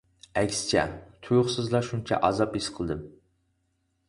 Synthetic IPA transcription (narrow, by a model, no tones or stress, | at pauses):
ɛkʲst͡ʃʰɛ̰t̪ʰujʊχsɨzlˠɑʃunt͡ʃʰɛ̰ʔɑzɑpisqʰəlˠɨd̪ɨm